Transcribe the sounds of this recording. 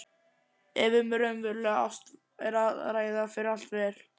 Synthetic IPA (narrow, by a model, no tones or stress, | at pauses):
ɛvɪmɾœmvɛɾlɛɣa̰wst̪ | ɛɾaðɾaːjðafɪɾɪɾal̥t̪vɛɾ̥